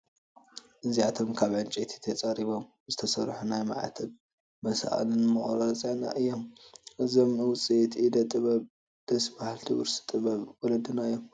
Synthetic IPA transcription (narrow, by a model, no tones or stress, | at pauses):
ʔɨziat̪ʰo̞mkʰaβʕɨnt͡ʃʼet̪ʰi̥t̪ʰɐt͡sʼɐɾiβom | zɨt̪ʰɐsɐɾħunajmaʕa̰t̪ʰɐl | mɐsa̰ʔʼa̰lɨnmɨχʼɾɐt͡sʼana̰ʔɨjːomʔɨzomɨwʊt͡sʼit̪ʰid̪ɐt̪ʼɨβɐβ | d̪̥ɐsbahlt̪ʰɨβɨɾsɨ̥t̪ʼɨβɐβwɔlɐd̪ɨnaɨjːom